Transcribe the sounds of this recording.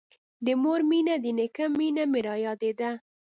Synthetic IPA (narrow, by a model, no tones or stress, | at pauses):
d̪əmoɾminad̪ənɪkamːinamɪɾɑjɑd̪ed̪a